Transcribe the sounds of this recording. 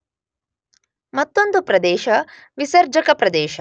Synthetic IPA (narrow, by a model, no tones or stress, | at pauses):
mɐt̪ːond̪upɾɐd̪eːʃɐ | ʋisɐɾd͡ʒɐkɐpɾɐd̪eːʃɐ